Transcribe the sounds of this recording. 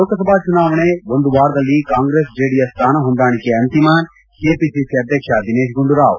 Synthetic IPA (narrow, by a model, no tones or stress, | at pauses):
oːkɐsɐbaːd̪̚t͡ʃunaːʋɐɳeʋond̪uʋaːɾd̪ɐlːikaːŋɡɾeːsd͡ʒeːɽijɐst̪ʰaːnɐɦond̪aːɳ̃ikeɐnt̪imaːn | keːpisiseɐd̪ʱjɐkʃad̪ineːʃɡuɳɖuɾaːʋ